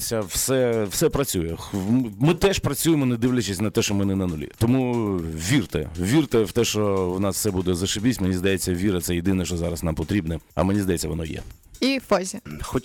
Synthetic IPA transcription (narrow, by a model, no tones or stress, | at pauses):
sʲɐwsɛwsɛpɾɐt͡sʲujɛxmmɪt̪ɛʃpɾɐt͡sʲujemɔnɛd̪ɪʋlʲɐt͡ʃɪsʲnɐt̪ɛʃt͡ʃɔmɪnɛnɐnʊlʲḭt̪ɔmuʋʲirt̪ɛ̰ʋʲirt̪ɛwt̪ɛʃt͡ʃɔwnɑsfsɛbud̪ɛzɐʃɪbʲit͡sʲmenʲizd̪ɐjet͡sʲːɐʋʲiɾɐt̪sɛjɪd̪ɪnɛʃt͡ʃɔzɑɾɐsnɑmpɔt̪ɾʲibnɛɐ̰menʲizd̪ɐjɛt͡sʲːɐʋɔnɔjɛ̰ | ifɔzʲixɔ